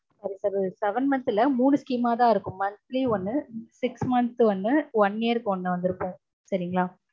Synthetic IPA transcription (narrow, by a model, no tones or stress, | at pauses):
sɐɾisɐɾsɛʋɐnmɐnt̪ɪlɐmuːɳɯskiːmaːt̪ãːɪɾɯkːɯ̃mːɐnt̪liːɔnːɯsɪksmɐnt̪ʋɔnːɯʋɐnːeːɾɯkːɯɔnːɐʋɐnd̪ɪɾɯpːõː | sɐɾɪŋɡɐɭaː